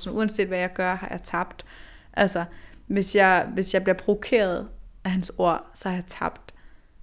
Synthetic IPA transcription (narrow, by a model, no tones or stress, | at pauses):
sɒ̽muænse̝̰ːd̥ʋæjɑ̈ɪɡ̥ɶɐhɑ̈jɑ̈ɪt͡sʰɑ̈b̥d̥ | ʔælsɐʋe̝sjɑ̈ɪʋe̝sjɑ̈ɪb̥liɐpʰʁoʋokʰe̝̰ːɐð̞̩ˠʔæɦænso̝ɐ̰sɒ̽hɑ̈jɑ̈ɪt͡sʰɑ̈b̥d̥